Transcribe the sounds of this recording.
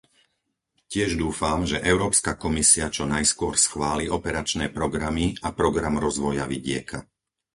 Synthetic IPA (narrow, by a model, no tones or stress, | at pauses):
cɪɛʒd̪uːfamʒɛʔɛʊɾɔːpskakɔmisiat͡ʃɔnajskʊɔɾsxʋaːliɔpɛɾat͡ʃnɛːpɾɔɡɾamiapɾɔɡɾamɾɔzʋɔjaʋiɟɪɛ̰kʰa